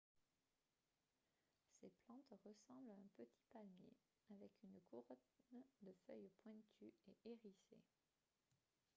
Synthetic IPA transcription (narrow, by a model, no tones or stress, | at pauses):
seplɑ̃t̪ʁəsɑ̃blaɛ̃pət̪ʰi̥palmjḛ | avɛkynkʰuʁɔnnd̪əfœjpwɛ̃t̪ʰyeʔeʁisḛ